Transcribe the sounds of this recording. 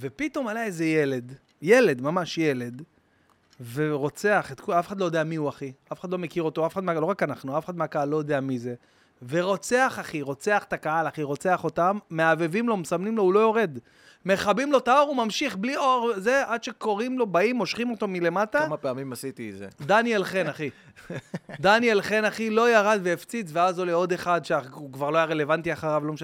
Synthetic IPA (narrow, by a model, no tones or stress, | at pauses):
ve̞pit̪o̞malaeze̞je̞le̞d̪ | je̞le̞d̪mamaʃjele̞d̪ | ve̞ʁo̞t͡se̞aχet̪kuafeχadlo̞jodeamiuaχiafeχadlo̞me̞kiʁo̞t̪o̞afeχadmalo̞ʁakanaχnuafexadmeakaalːo̞jod̪eamize̞ | ve̞ʁo̞t͡se̞aχaχiʁo̞t͡se̞aχe̥takaɦalaχiʁo̞t͡se̞aχo̞tamːeave̞vimlo̞msamnimlo̞ulo̞jo̞ʁe̞d̪ | me̞χabimlo̞t̪ao̞ʁumamʃiχblioʁze̞ʔad̪ʃe̞ko̞ʁimlo̞baimo̞ʃχimo̞t̪omile̞mataamapeamimasit̪izḛd̪anjelχenaχi | d̪anjelχe̞naχilo̞jaʁad̪veeft͡sit͡sveazoleo̞d̪e̞χad̪ʃeakvaʁloajaʁele̞vantiaχaʁavlo̞meʃ